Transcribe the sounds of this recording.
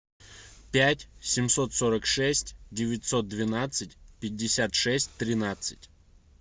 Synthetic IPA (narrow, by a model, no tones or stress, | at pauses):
pʲætʲsʲɪmso̞t̪so̞ɾəkʂɛsʲtʲdʲɪvʲɪtʲso̞t̪̚d̪vʲɪnat̪sɨtʲpʲɪdʲːɪsʲat̪ʂɛsʲtʲt̪ɾʲɪnat̪sɨ̥tʲ